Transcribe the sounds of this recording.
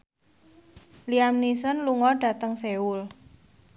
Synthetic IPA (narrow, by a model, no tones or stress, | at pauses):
liamnisənluŋɔɖ̥a̤t̪əŋseul